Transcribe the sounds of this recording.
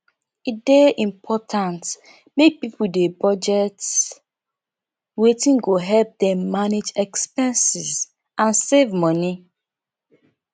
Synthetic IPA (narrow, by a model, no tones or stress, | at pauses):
ideʔĩmpʰɔtʰãnt | mek̚pipudebɔd͡ʒɛts | wetĩnɡoɦɛlp̚dɛ̃mːaned͡ʒɛkspɛ̃nsiz | ãnsevmɔni